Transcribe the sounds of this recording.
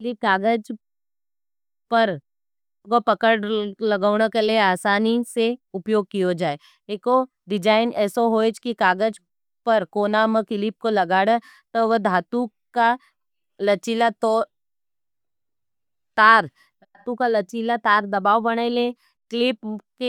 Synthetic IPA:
likaːɡəd͡ʒ | pɐɾ | kopɐkəɽlɐɡaːɽ̃əkelieaːsaːniseʊpjoːɡ̚kiod͡ʒaːe | eːko | ɖɪd͡ʒaːɪnɛːsoɦoːet͡ʃkikaːɡəd͡ʒ | pɐɾkoːnaməkɪlɪp̚kolɐɡaːɽə | t̪oʋəd̪ʱaːt̪u | ka | lɐt͡ʃilat̪ɔː | t̪aːɾ | d̪ʱaːt̪ũkalɐt͡ʃilat̪aːɾd̪ɐbaːʋbɐɽ̃ele | klɪpke

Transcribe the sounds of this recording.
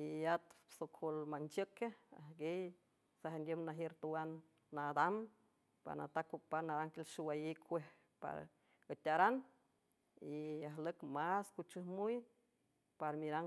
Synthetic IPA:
iat̪sokʰolmant͡ʃəkea̰hɡej | saɦend̪ʲjəmnaɦjeɾt̪uwanː | ad̪am | pa̰ɾna̰t̪akːupaɾnaɾaŋkelʃuwajikʰʷeh | pa̰ɾ | ət̪ʲaɾan | iaɦləkmaskut͡ʃɨhmuj | paɾmiɾaŋ

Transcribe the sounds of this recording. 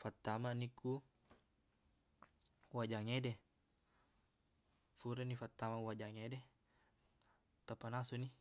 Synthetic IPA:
fat̪ːamaniku | wad͡ʒaŋɛdɛ | fuɾɛnifat̪ːamawad͡ʒaŋɛdɛ | t̪apanasuni

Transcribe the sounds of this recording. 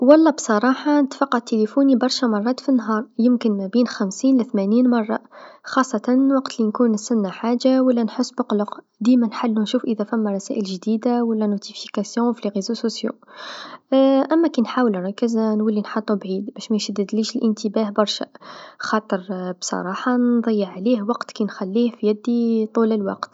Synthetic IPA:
wɑlˤːɑbsˤɑɾˤɑħɑnət̪fɑqːɑt̪ːelefunibɑɾˤʃamɑrˤːɑːt̪finːɦɑɾˤjəmkənmæbiːnxæmsiːnlæθmæniːnmɑrˤːɑ̰xɑsˤːɑt̪ɑnwɑqt̪linkunsʊnːaħaʒːawəlːænħʊsːbʊqlʊq | d̪imænħalːunʃuːfʔəðæfæmːæɾˤɑsæ̰ʔəlʒd̪id̪awəlːænot̪ifikæsjɔ̃wflɣizososjo̰ | ʔæmːækinħawəlɾˤɑkːəznwəlːinħɑt̪ˤːubʕid̪bæʃmæʃəd̪ːəliʃəlʔənt̪əbæhbɑɾˤʃæ̰xɑt̪ˤəɾbsˤɑ̰ɾˤɑħɑnðˤəjːəʕːlihwɑqt̪kænxælːihfijæd̪ːit̪ˤuləlwɑ̰qt̪

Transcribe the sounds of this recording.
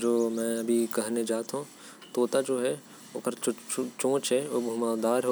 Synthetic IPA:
d͡ʒoːmɛ̃ːɐbʱikɐɦned͡ʒaːt̪ɦũ | t̪oːt̪ad͡ʒoːɦɛ | okəɾt͡ʃt͡ʃt͡ʃõːt͡ʃɦɛoːbʱʊmaːd̪aːɾɦo

